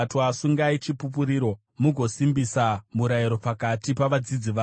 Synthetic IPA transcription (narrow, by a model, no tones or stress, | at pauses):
tasuŋɡait͡ʃipup̬uɾiːɾo̞ | muɡʱo̞simbisamuɾaiɾo̞pakatipaʋad͡zid͡ziʋa